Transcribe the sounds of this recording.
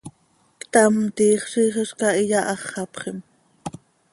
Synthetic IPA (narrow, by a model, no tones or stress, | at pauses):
kt̪ɑmt̪iːχʃiχəʃkɑijɑʔɑχːɑpχem